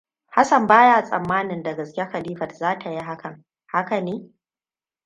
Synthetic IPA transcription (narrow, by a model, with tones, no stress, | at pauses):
ha˦sɐ˨mbaː˦ja˦˨sʼɐ̰˨mːaː˦nɪ˨ndɐ˨ɡɐ˨skʲe˦xa˨liː˦ɸɐ˨tzaː˦tʰa˨ji˦ɦa˦kɐ˨ŋ | ha˦ka˨neː˦